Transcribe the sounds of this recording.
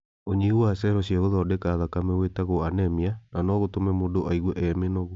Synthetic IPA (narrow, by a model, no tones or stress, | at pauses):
oɲiɣuwasɛɾɔsiaɣoðɔdekaðakamɛwetaɣoanɛmiananɔɣotomɛmoːdoʔaiɣwɛʔɛmenɔɣo